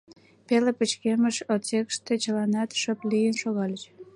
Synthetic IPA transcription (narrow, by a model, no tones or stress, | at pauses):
pelepət͡ɕkeməʃot͡sekʃt̪et͡ɕəlɑnɑt̪ʃəplijənʃoɣɑlʲət͡ɕ